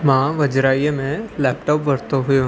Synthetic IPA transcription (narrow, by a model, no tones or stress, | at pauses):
mãːʋɐd͡ʒɾaːijmẽlɛːpʈɔːpʋɐɾt̪oɦʊjo